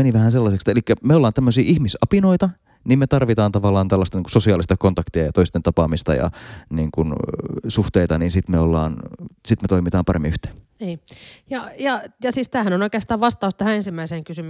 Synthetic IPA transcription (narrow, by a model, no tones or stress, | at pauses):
eniʋæhænselːɑsekst̪elikːæmeolːɑːnt̪æmːøsiːʔihmisɑpinoit̪ɑ | niːmmet̪ɑrʋit̪ɑːnt̪ɑʋɑlːˑɑːnt̪ælːɑst̪ɑniŋku̥sosiɑːlist̪ɑkont̪ɑkt̪iɑjɑt̪oist̪ent̪ɑpɑmist̪ɑ̰jɑ̰niːŋkunsuht̪eit̪ɑniːnsit̪meolːɑ̰ːnsit̪met̪oimit̪ɑːmpɑrʔḛmːḭyht̪e̥ːnniːjɑjɑjɑsiːst̪æːhænonoikeɑst̪ɑːʋʋɑst̪ɑust̪æhæensimːæiseːŋkysym